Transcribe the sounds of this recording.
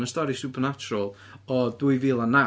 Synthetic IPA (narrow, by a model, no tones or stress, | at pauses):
nəstɔɾisupʰərnat͡ʃʊɾəlˠ | ɔduɨvɪlˠana